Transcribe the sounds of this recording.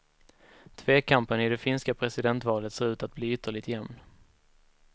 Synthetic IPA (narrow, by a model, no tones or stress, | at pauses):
t̪ʰveːkʰampənɪd̪ɛfɪnskapʰɾɛsɪd̪ɛnt̪vɑːlət̪seːɾʉ̟ːt̪at̪̚bliːʏt̪ʰːəɭɪt̪jɛmn